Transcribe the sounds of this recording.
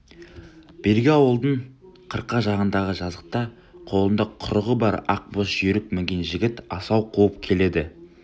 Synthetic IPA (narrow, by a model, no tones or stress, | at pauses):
b̥eɾɡʲeɑwəlˠd̪əɴqʰəɾqːɑʒɑʁənd̪ɑʁəʒɑzʁə̥q̚t̪ɑ | qʰo̞lˠənd̪ɑqqʰʊɾəʁəbɑɾɑq̚bosʒʏɾɪk̚mɪŋɡʲenʒɪɡʲɪt̪ɑsɑwqʰuəp̚kʲʰe̞le̞d̪ɪ